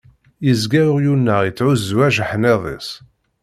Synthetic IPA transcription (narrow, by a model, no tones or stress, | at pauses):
jəzɡæɾʊʁjunːəʁjit͡sːʕuzːwæʒəħneðˤḛsˤ